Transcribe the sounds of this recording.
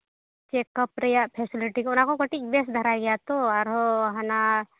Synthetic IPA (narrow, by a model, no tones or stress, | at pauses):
t͡ʃeːkəpɾɐjapʰeːsɪlɪʈikoʊnãkokɐʈibeːsd̪ʱɐɾaːjɡɐjat̪oaɾɦoɦana